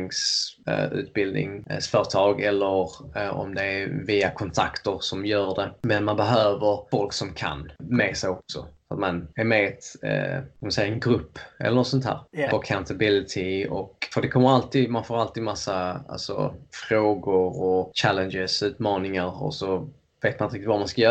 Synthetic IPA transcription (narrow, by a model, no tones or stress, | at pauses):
ŋs | ʉ̰ːt̪̚bɪld̪nɪ̰ŋsfœːɾt̪ʰɑːɡɛlːəɾɔ̰md̪ɛæɾviːakʰɔnt̪ʰa̰kt̪əɾsɔmjœːɾɖɛmɛnmanbɛɦøːvəɾfɔlksɔmkʰa̰nmɛsɛjɔksɔ̰ffɾat̪manæɾmɛt̪ | kamansɛjːaɛnɡɾɵpːʔɛ̰lːəɾnɔt̪sɔnt̪ʰhæ̰ːɾɔɾakʰãʊnt̪abɪlɪt̪ʰɪɔkfəd̪ɛkʰɔmːəɾalt̪ʰiːd̪manfoːɾalt̪iːd̪masːaa̰lsɔ̰fɾoːɡʊɾɔt͡ʃʰælənd͡ʒɪsʉ̟ːt̪mɑːnɪŋaɾɔ̰sɔ | veːt̪̚manɪt̪əɪk̚t̪ɪt̪vamanskajœː